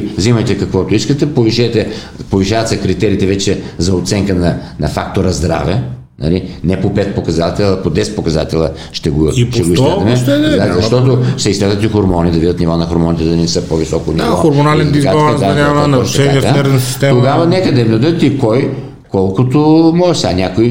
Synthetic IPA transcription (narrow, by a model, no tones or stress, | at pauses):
zimɐjt̪ɛkɐkvɔt̪ʊiskət̪ɛpoviʃɛt̪ɛ | poviʃavɐt̪sɛkɾit̪ɛɾiːt̪ɛvɛt͡ʃɛzɐot̪sɛŋkənɐnɐfak̚t̪oɾɐzd̪ɾa̰vɛ | nɐ̰linɛpopɛt̪̚pokɐzat̪ɛlˠəpod̪ɛs̚pokɐza̰t̪ɛlˠə | ʃt̪ɛɡoiʃt̪ɛɡoiskɛzɐmɛɛazɐʃt̪ɔt̪oʃt̪ɛisk̪lɛd̪ət̪ixoɾmɔnid̪ɐvid̪ət̪nivɔnɐxoɾmɔnit̪ɛd̪ɐnɛsəpovisɔkʊniɔxoɾmonalɛnd̪izɡaɔanavnɐɔʃɛniaɛɾnɐsi̥st̪ɛt̪oɡavɐnɛkəd̪ɐmd̪od̪ət̪ikɔj | kɔlˠkʊt̪omɔʒʃsanʲakoi